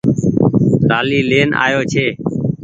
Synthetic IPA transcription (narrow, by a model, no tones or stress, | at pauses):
ɾaːliːleːnʔa̰ːjoːt͡ʃʰeː